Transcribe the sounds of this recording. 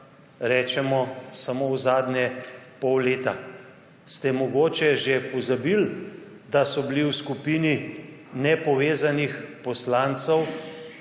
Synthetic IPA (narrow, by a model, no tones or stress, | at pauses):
ɾɛːt͡ʃɛmɔsamowzaːd̪nʲɛpɔwleːt̪a | st̪ɛmɔɡoːt͡ʃɛʒepɔzabil | d̪asɔbiliwskupininɛpɔʋeːzanixpɔslant̪sɔw